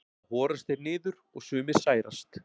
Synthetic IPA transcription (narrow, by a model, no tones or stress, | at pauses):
hɔːɾast̪ɛɾnɪːðʏɾɔɣsʏːmɪ̥saːjɾa̰st̪